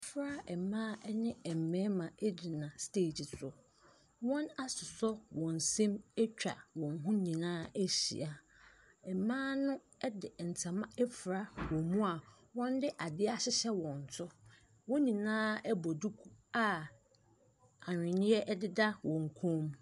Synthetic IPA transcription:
fɾa˦ɛ˨mãː˦ɛ˦nɪ̃˦ɛ˨m̩˨mɛ̃˦mã˨e˦d͡ʑi˨nã˨steː˦˨d͡ʑi˨sʰʊ˨ | wɔ̃˦na˦sʊ˨sɔ˦wɔ̃˨n̩˨sɛ̃˦mɛ˦t͡ɕᶣa̰˨wɔ̃˨n˨ɦʊ̃˦nĩ˨nãː˦e˦ɕḭ˨a˨ | ɛ˨mãː˦nʊ̃˦ | ɛ˦dɪ˨n̩˨tʰã˨mã˦ɛ˦fɾa˦wɔ̃˨mũ˦a˨ | wɔ̃˦n˦dɪ˦ʔa˨dɪ˦a˦ɕɪ˦ɕɛ˦wɔ̃˨n˨tʰʊ˦ | wɔ̃˦nĩ˨nãː˦ɛ˦bɔ˨du˦kʰu˦a˦ | a˨ɲᶣɪ̃˨nɪ̃˦ɛ˦ʔɛ˦dɪ˦da˦wɔ̃˨ŋ̩˨kʰõ˦m

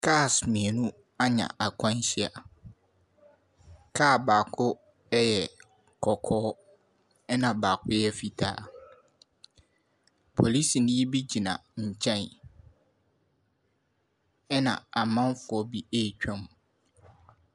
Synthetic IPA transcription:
kʰa˦˨smĩ˨e˨nũ˦ | a˦ɲã̰˨ʔa˨kʷʰã˦n˦ɕɪ˦a̰˨ | kʰa˦˨baː˨kʰʊ˦ | ɛ˦jɛ˨ | kʰɔ˨kʰɔː˦ | ɛ˦nã˨baː˨kʰʊ˦jɛ˦fi˨tʰa̰ː˦ | pʰo˨li˦si˨nɪ̃˦ji˦bi˦d͡ʑi˨nã̰˨ɲ̩˨t͡ɕʰɛ̃˦˨n | ɛ˦nã̰˨a˨mã˦n˦fʊ˨ɔ˦bi˦e˦˨t͡ɕᶣã˨m˨

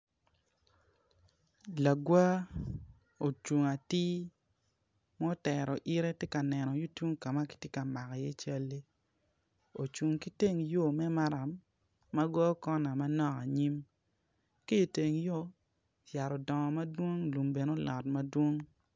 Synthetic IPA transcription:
la˨ɡwa˦ | o˨t͡ʃu˨ŋa˨ti˦ | mɔ˦tɛ˨ɾɔ˨ʔi˦ɾe˦tje˦ka˨nɛ˨nɔ˨jo˦tu˦ŋka˨ma˦ki̥˦tje˦ka˨ma˨ka˨je˦t͡ʃa˦lːe˦ | o˨t͡ʃu˨ŋki˦te˦˨ŋjo˦˨mɛ˦ma˦ɾa˨˦mː | a˦ɡwa˦kɔ˦na˨ma˦nɔ˦ka˨ɲi˦m | ke˦jo˨te˨ŋjo˦ | ja˨ɾɔ˨dɔ˨ŋɔ˨ma˦dwo˦ŋlu˨mbe˨no˦lɔ˨tma˦dwo˦ŋ

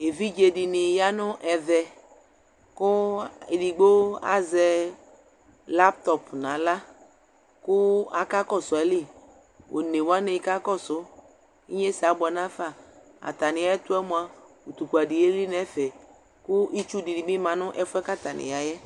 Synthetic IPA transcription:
e˨vi˦d͡ʒe˨dɪ˨nɪ˨ja˦nʊ̃˦ʔɛ˨ðɛ˨ | kʊ˦e˨di˨ɡ͡bo˦a̰˨zɛ˨ | la˦p̚t̪ɔ˨pnã˨la˦ | kʊ˦a˨ka˦kɔ˦sɔ˨ɛ˨˦li˦ | wʔo̰˨ne˨wa˦ne˨ji˦ka˦kɔ˦sʊ˦ | i˦ɲe˦si˨a˨bɔ˨nã˦fa˦˨ | a̰˨t̪a˨nɪ̃˨a˨jɛ˦t̪ʊ˦ɛ˦mõ˨a˨ | u˨t̪u˨ku˨a˨di˨je˦li˦nɛ̃˨˦fɛ˨ | kʊ˦ʔi˦t͡ʃu˦di˨di˨mɪ̃˦mã˨nʊ̃˦ʔɛ˦fʊ˦ɛ˦ka˦t̪a˨nɪ̰̃˨ja˨jɛ˦

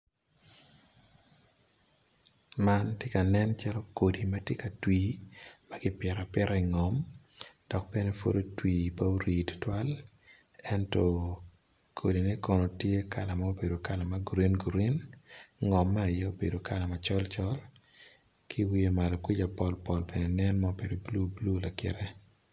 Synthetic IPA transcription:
ma˦ntje˦ka˨nɛ˦nt͡ʃa˦lo˦ko˨di˨ma˦tje˦ka˨twiː˦ma˦ɡɪ˦pjɛ˨ɾa˨pɪ˦ɾa˦i˨ŋɔ˨m | d̥ɔ˨k̚be˦ne˦fo̰˦do˦twiː˨pa˦u˦ɾi˨ttwa˦l | ɛ˦ntɔ˨ | kʰo˨di˨ne˦kɔ˨no˨tje˦ka̰˨la˨ma˦o˦be˨do˨ka˨la˨ma˦ɡu˨ɾi˦nɡu˨ɾi˦nŋɔ˨mːa˦a˨jɛ˦o˦be˨do˨ka˨la˨ma˨t͡ʃɔ˦lt͡ʃɔ˦l | kʰi˦wi˦e˦ma˨lo˨kwi˦d͡ʒa˨pɔ˨lpɔ˨lbe˨ne˨nɛ˦nma˦o˦be˨do˨blu˦blu˦la˨kɪ̰˨ɾɛ˦

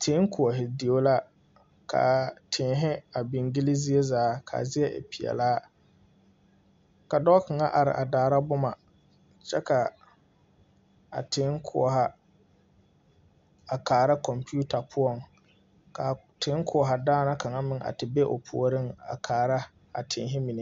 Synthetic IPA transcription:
tʰɪ˨˦ŋ˦kʰʊ˨ɔ˨ɦɪ˨di˨o˦la˦ | kʰa̰˨tʰɪ˨˦ɦɪ˦a˨bɪ˨ŋɡɪ˦lɪ˦zi˦e˦zaː˨˦kʰa̰˨zɪ˦ɛ˦ʔɪ̰˨pi˨ɛ̰˨laː˦ | ka˨dɔ˦kɪ˨ŋa˦ʔa˨ɾɪ̰˨ʔa˨daː˨˦ɾa˦bʊ˦ma˨ | t͡ʃɛ˦ka˨ | a̰˨tɪ˨˦ŋkʰʊ̰˨ɔ˨ɦa˦ | a˨kaː˨ɾa˦kɔ˨mpi˦u˦ta˨pʰʊ˦ɔ˦˨ŋ | ka˨ | tʰɪ˨˦ŋ˦kʰʊ˦˨ɔ˨ɦa˨daː˦na˦ka˨ŋa˦mɪ˦ŋʔa̰˨tɪ˨be˦ʔo̰˨pʰʊ̰˨o˨ɾɪ˦ŋa̰˨kʰaː˨ɾa˦ | a̰˨tʰɪ˨ŋ˦ɦɪ˦mi˨nɪ˦

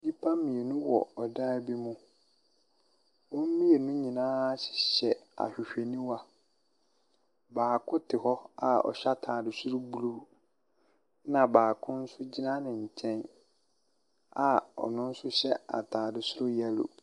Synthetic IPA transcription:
dĩ˦pʰa˦mĩ˨e˨nũ˦wɔ̰˨ɔ˨dã˦bi˦mũ˦ | wɔ˦m̩˦mĩ˦e˨nũ˦ɲĩ˨nãː˦ɕɪ̥˨ɕɛ˨a̰˨ɕᶣɪ˨ɕᶣe˨nĩ˦wa˨ | baː˨kʰʊ˦tʰɪ˨hɔ˦a˨ɔ̰˨ɕa˦tʰaː˨dɪ˨sʊ˦ɾʊ˦bu˦lu˦ | nã˨baː˨kʰʊ̃˦n̩˦sʊ˦d͡ʑi˦nã˦nɪ̃˨ɲ̩˨t͡ɕʰɛ̃˦n | a˨ɔ̰˨nʊ̃˦n̩˦sʊ˦ɕɛ˦a̰˨tʰaː˨dɪ˨sʊ˦ɾʊ˦jɛ˦lʊ̰˨

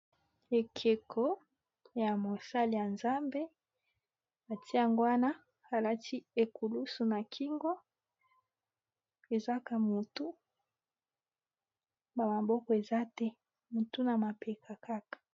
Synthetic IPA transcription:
e˨kʰe˨kʰɔ˦ | ja˨mo˨sa˦li˨ja˨nza˦mbe˦ | a˨ti˦a˨ŋɡwa˦na˦ | a˨la˦tʰi˦e˨ku˨lu˦su˨na˨kʰi˦ŋɡɔ˦ | e˨za˦ka˨mu˨tu˦ | ba˨ma˨bɔ˦kɔ˨e˨za˦tɛ˦ | mu˨tu˦na˨ma˨pe˨kʰa˨ka˦kḁ˨

